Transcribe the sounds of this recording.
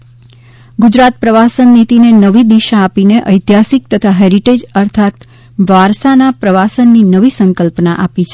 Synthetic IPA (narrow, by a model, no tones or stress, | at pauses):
ɡud͡ʒɾat̪̚pɾəʋasənːit̪inenəʋid̪iʃaːpineʔəjt̪jasik̚t̪ət̪ʰaɦeɾiʈed͡ʒəɾt̪ʰat̪ | ʋaɾsanapɾəʋasənːinəʋisəŋkəlpnaʔapit͡ʃʰe